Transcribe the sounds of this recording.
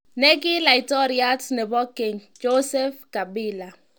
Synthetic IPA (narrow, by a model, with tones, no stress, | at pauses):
nɛ˦kɪ˦la˨i˨tɔ˦ɾia˦tnɛ˨bɔ˦kɪ˨ŋ | d͡ʒo˦sɛ˦fka˨bi˦la˨